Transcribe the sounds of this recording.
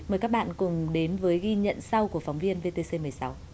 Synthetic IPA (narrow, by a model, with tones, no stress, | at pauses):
məː˨˩jkaː˦˥k̚ɓa̰ː˧˨nkʊ˨˩ŋ͡mɗe˨˦nvəː˨˦jɣi˧ɲə̰˧˨nsa˧wku˧˩ək̚fa˨˦wŋ͡mvi˧ənve˧t̪e˧se˧mɨ˨˩əjsa˨˦w